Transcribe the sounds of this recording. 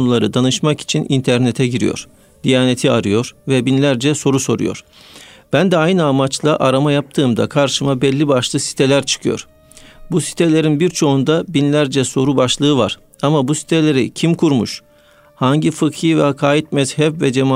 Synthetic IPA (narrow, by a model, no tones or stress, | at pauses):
nulˠaɾɯd̪anɯʃmaki̥t͡ʃʰinʔint̪ʰæɾnet̪ʰɛɟiɾijo̰ɾ̥ | d̪̥ijaːne̞t̪ʰiaɾɯjo̞ɾvɛbinlʲæɾd͡ʒɛso̞ɾuso̞ɾṵjo̞̰ɾ̥ | b̥ænd̪ɛajnɯamat͡ʃlˠaʔaɾamajap̚t̪ʰɯːmd̪a̰kʰaɾʃɯmabɛlʲːibaʃlˠɯsi̥t̪ʰe̞lʲæɾt͡ʃʰɯ̥kʰɯjoɾ̥ | busi̥t̪ʰelʲe̞ɾinbiɾt͡ʃʰo̞und̪abinlʲæɾd͡ʒɛso̞ɾubaʃlˠɯːva̰ɾ̥ | amabusi̥t̪ʰelʲe̞ɾḭcʰimkʰuɾmṵʃ | haɲɟifɯkhɯvɛakʰaːjit̪̚mɛz̥hɛpvɛd͡ʒema